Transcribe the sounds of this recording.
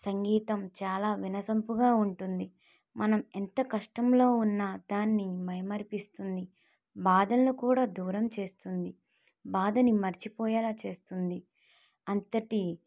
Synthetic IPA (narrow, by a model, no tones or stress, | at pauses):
sɐŋɡiːt̪ɐmt͡ʃaːlaːʋinɐsɐmpuɡaːuɳʈund̪i | mɐnɐmɛnt̪ɐkɐʂʈɐmlo̞ːunːɐd̪aːnːimɐjmɐɾipist̪und̪i | baːd̪ɐnːukuːɽaːd̪uːɾɐmt͡ʃe̞ːst̪und̪i | baːd̪ɐnimɐɾt͡ʃipɔːjɐːlaːt͡ʃe̞ːst̪und̪i | ɐnt̪ɐʈi